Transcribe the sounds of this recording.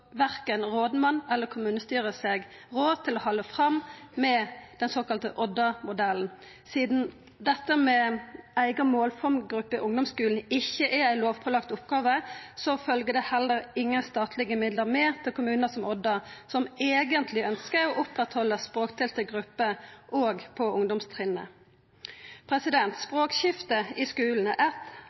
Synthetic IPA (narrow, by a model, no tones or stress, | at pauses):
ʋæʁkənʁoːd̪mɑnːɛlːəkʰʊmʉːnəst̪yːʁəsɛɡʁoːd̪t̪ʰɪlɔhɔlːəfʁɑmːɛd̪̥ɛnsoːkɑlt̪əʔɔd̪ːɑmʊd̪ɛln̩ | siːd̪n̩ | d̪ɛt̪ːəmɛæɪɡɑmoːlfɔmɡʁʉpːəɪʔʊŋd̪ɔmskʉːln̩ɪçːəʔɛæɪloːʋpʰɔlɑkt̪ʊpɡɑːʋəsɔfœlɡəd̪ɛhɛlːəɾɪŋːəst̪ɑːt̪ʰlɪɡəmɪd̪ləʁmeːt̪ʰɪlkʰʊmʉːnəsɔmɔd̪ːəsɔmeːɡənt̪ʰlɪœnskəɾɔʔʊpʁɛt̪hɔləspʁoːkt̪ʰɛːlt̪əɡʁʉpːəʔoːɡpʰɔʊŋd̪ʊmst̪ʰʁɪːnːə̰ | pʰʁɛsɪd̪ɛnt̪spʁoːkɕɪft̪əɪskʉːln̩ʔæt̪